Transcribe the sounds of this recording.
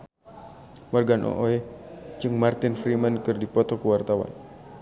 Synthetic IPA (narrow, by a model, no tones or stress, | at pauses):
marɡanʔɔ̰ʔoɛd͡ʒɨŋmart̪ɪnfɾimankɨrdipɔt̪ɔkəwart̪awa̰n